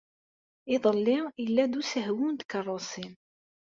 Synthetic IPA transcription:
ɪðˤəlːɪilːæd̪usəɦwund̪kərˤːosˤin

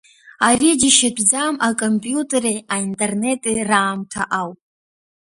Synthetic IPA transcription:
arid͡ʒiʃabʰd͡zamakʼompʼjutʼeɾeaintʼe̞rne̞tʼiraːmtʰa̰ʔawpʼ

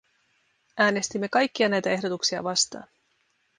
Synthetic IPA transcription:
ʔæːne̞st̪imːe̞kɑjkːiɑnæjt̪æe̞ɦdo̞t̪uksiɑ̰ʋɑst̪ɑ̰ːn

